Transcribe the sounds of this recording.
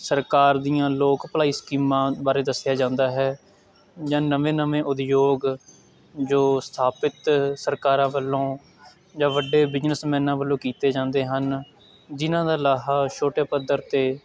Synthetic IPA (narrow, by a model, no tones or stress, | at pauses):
səɾkaːɾd̪ijãːloːkpəlaːiːskiːmãːbaːɾeːd̪əsɪjaːd͡ʒãːnd̪aːɦɛː | d͡ʒãːnəʋẽːnəʋẽːʔʊd̪joːɡ | d͡ʒoːst̪ʰaːpɪt̪səɾkaːɾãːbəlːõː | d͡ʒãːʋəɖeːbɪd͡ʒnəsmɛ̃ːnãːbəlːõːkiːt̪eːd͡ʒãːnd̪eːɦən | d͡ʒɪnãːd̪aːlaːɦaːʃoːʈeːpəd̪əɾt̪eː